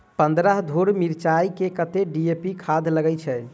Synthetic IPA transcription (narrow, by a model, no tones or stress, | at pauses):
pənd̪ɾəɦd̪ʱoɾmiɾt͡ʃaikekət̪eɖiepikʰad̪ʱləɡɛt͡ʃʰɛ